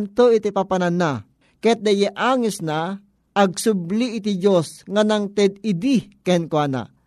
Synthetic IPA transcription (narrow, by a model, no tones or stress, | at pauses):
nt̪oɪt̪ipapanana | kɛt̪̚d̪ɐjɛʔaːŋɪsnaː | ɡ̚sʊbliʔɪt̪id͡ʒosŋanaŋt̪ɛd̪ɪd̪ikɛnkwana̰